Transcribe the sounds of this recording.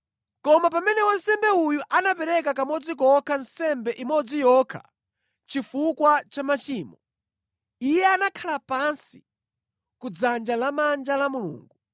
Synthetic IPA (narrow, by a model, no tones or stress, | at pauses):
kɔmapamɛnɛwɔnsɛmbɛujuʔanapɛɾɛk̬akamɔd͡zikɔkʰan̩sɛmbɛʔimɔd͡zijɔkʰa̰ | t͡ʃifukwat͡ʃamat͡ʃiːmɔ | ijɛanakʰalapansi̥ | kud͡zand͡ʒalamand͡ʒalamulṵːŋɡu